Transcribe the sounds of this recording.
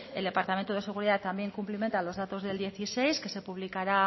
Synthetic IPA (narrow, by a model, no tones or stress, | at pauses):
e̞ld̪e̞paɾt̪amẽnt̪oðese̞ɣ̞uɾiðat̪ːamje̞ŋkumplime̞nt̪alo̞zðat̪o̞zðe̞ld̪je̞θise̞jske̞se̞puβlikaɾa